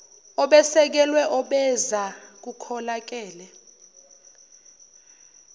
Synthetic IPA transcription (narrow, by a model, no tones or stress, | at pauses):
ɔɓɛsɛk̬ɛlwɛʔɔɓɛzak̬ukʰɔlak̬ɛːlɛ